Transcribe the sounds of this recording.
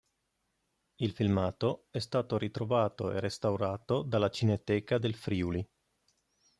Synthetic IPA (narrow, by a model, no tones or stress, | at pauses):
ilfilmaːt̪oɛst̪aːt̪oɾit̪ɾovaːt̪oḛrest̪awɾaːt̪od̪alːat͡ʃinet̪ːɛːkad̪elfɾiːuli